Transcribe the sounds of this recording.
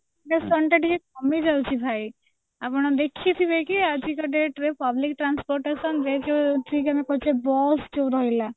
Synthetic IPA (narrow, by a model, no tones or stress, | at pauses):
mesɔɳʈaʈikekɔmid͡ʒawt͡ʃʰibʱaj | apɔɽ̃ɔd̪ekʰit̪ʰibejkiad͡ʒʱikɔʈeʈɾepablik̚ʈɾanspɔɾʈesɔnɾed͡ʒot̪ʰikamekɔt͡ʃebɔsd͡ʒowɾɔɦila